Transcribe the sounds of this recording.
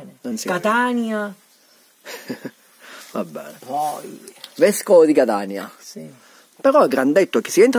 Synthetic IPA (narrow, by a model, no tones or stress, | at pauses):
nskat̪anja | vabːɛ̰ːnpɔjvɛskood̪ikat̪aːnja̰ | peɾɔɛɡɾand̪ɛt̪ːok̟i̥sːiɛnt̪ɾ